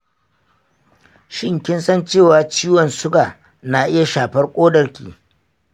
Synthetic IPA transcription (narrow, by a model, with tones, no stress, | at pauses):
ʃɪ˦ŋkʲɪ˦nsɐ˦nt͡ʃeː˦˨waː˨t͡ʃiː˦wɔ˨nsʊ˦ɡaː˨ | na˨ʔɪ˦ja˨ʃaː˨ɸɐ˦rkʷʼoː˦dɐ˨rkʲḭː˨